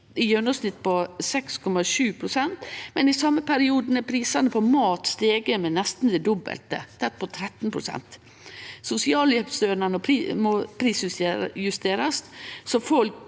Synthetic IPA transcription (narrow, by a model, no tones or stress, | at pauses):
ɪjœnɔsnɪt̪ːpɔsɛkskʰɔmɑʃʉːpʰɾʊsɛnt̪mɛnɪsɑmːəpʰæɾɪuːd̪n̩ɛpʰɾiːsɑnəpʰɔmɑːt̪st̪eːɡəmɛnɛst̪n̩d̪ɛd̪ɔbə̰lt̪ə̰t̪ʰɛt̪̚ːpʰɔt̪ʰɾɛt̪ːn̩pʰɾʊsɛ̰nt̪ | sʊsɪɑːljɛpsøːnɑnɔpʰːmopʰɾiːsjʉst̪eːɾɑst̪sɔfɔlk